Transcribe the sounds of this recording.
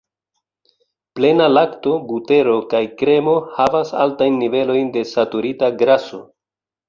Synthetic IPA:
ple̞nalakto̞bute̞ɾo̞kajkɾe̞mo̞havasa̰ltajnːive̞lo̞jnde̞satuɾitaɡɾaso̞

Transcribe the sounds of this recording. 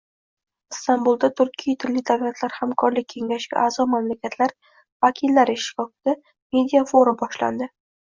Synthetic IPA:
ɪst̪ambulˠd̪at̪ʰʊɾkʲʰijat̪ʰɪlːɪd̪avlat̪ʰlaɾhamkʰɒɾlɪk̚ʲʰːe̞ŋʲaʃɡʲa̰ʔaːzɒmamlakʲat̪ʰlaɾ | vakʲʰilːaɾɪʃt̪ɪ̥kɒft̪ɪ | me̞d̪ʲijafoɾɪbɒʃla̰nd̪ɪ

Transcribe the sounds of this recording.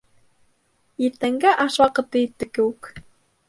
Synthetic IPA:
iɾt̪æŋɡæʔɑʃwɑqɤ̆t̪ːɤit̪ːɘ̆kɘʉk

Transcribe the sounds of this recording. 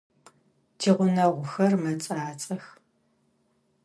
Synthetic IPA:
tʰiːʁʷʊnɐʁʷʊxɐrmɐt͡sʼaːt͡sʼɐx

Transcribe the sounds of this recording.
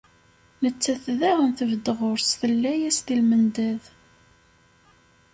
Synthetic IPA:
nət͡sːæθðæʁənθəvəd̪əʁʊɾsθəlːæjæst̪ilmənd̪æð

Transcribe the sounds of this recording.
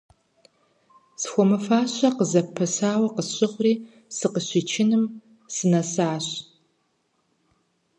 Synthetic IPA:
sxʷɔmɨfaːɕɐqəzɐpʰɐsaːwɐqəsɕʼɪχʷʊriː | sɨqəɕit͡ʃʰɪnɨm | sɨnɐsaːɕ

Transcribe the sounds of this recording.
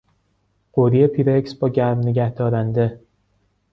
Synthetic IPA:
ɢ̥oɾijepʰiːɾeksbɒːɟæɾmneɟʲæhd̪̥ɒːɾænd̪e

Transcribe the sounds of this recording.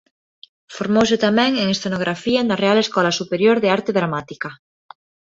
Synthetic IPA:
foɾmows̬et̪amɛ̃ŋeŋest̪enoɣ̞ɾafiaend̪arealeskɔlasupeɾjoɾðeaɾt̪eðɾamat̪ika

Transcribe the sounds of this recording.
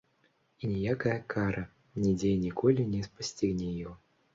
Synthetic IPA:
inʲɛjakajɐkʰaɾɐ | nʲɛd͡zʲejnʲikʰɔlʲinʲɛspasʲt͡sʲiɣnʲɛjɔ

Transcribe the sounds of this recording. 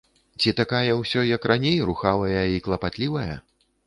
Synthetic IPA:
t͡sʲit̪akajɐwsʲɔjɐkranʲejruxavɐjɐiklˠɐpat̪lʲivɐjɐ̰

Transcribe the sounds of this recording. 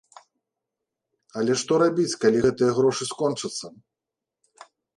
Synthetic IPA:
ɐlʲɛʂt̪ɔɾabʲit͡sʲkalʲiɣɛt̪ɨjɐɣɾɔʂɨskɔnt͡ʂɐt̪sːɐ

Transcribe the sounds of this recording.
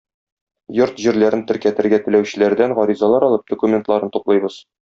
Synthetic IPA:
joɾt̪ʑiɾlæɾɘnt̪ɘ̆ɾkæt̪ɘ̆ɾɡæt̪ɘ̆læwɕɘ̆læɾd̪æŋʁɒɾizɑlˠɑɾɒlˠɤp̚d̪̥ŏkumʲent̪lˠɑɾɤnt̪uqlˠɤjbɤz̥

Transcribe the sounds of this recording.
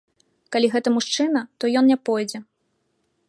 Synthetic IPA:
kalʲiɣɛt̪ɐmuʂt͡ʂɨnɐt̪ɔjɔnnʲɛpɔjd͡zʲɛ

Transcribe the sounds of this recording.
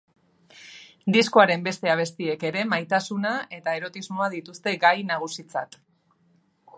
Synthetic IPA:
d̪isko̞aɾe̞mbe̞st̪e̞aβ̞est̪ie̞ke̞ɾe̞majt̪asunae̞t̪ae̞ɾo̞t̪izmo̞aðit̪ust̪e̞ɡajnaɣ̞usit͡sa̰t̪

